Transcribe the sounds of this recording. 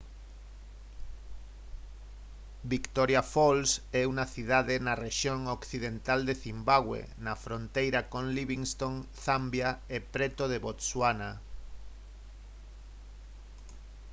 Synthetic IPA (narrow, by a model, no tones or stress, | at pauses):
bikt̪oɾjafolsɛunaθiðaðenareʃjoŋokθiðent̪ald̪eθimbaɣwḛ | nafɾont̪ejɾakõŋliβiŋst̪oŋθambjaepɾɛt̪oðeβot̪swana